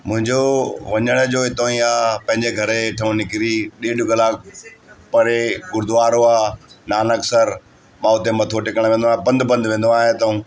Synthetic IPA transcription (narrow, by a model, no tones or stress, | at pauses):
mʊ̃ɦɪ̃ɲd͡ʑoʋɐɲəɽ̃əd͡ʑoːɦɪt̪oĩaːpɐ̃ɦɪ̃ɲd͡ʑeɡʱɐɾeʈʰɐũnɪkɪɾiɗeːɖʊkɐlaːk̚pɐɾeɡʊɾd̪ʊaːɾoaːnaːnɐksəɾ | mãːʊt̪emɐt̪ʰoʈɪkəɽ̃ʋẽːnd̪aːɦebɐ̃nd̪bɐ̃nd̪ʋẽːn̆d̪oaːɦet̪ɐũː